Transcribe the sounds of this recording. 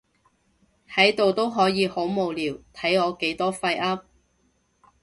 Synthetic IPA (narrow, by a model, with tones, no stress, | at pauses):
hɐ˨˥jt̪o˨wt̪o˥wɦɔː˨˥jiː˨˧ho˨˥wmo˨wliː˨˩wt̪ʰɐ˨˥jɔː˨˧ke˨˥jt̪ɔː˥fɐ˧jʔɐ˥p̚